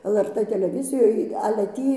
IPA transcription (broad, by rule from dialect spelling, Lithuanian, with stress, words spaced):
ɛlˠ ɛr ˈtɘ tʲɛlʲɛˈʋʲɪzʲɪjoːj ɐlʲɛ ˈtʲiː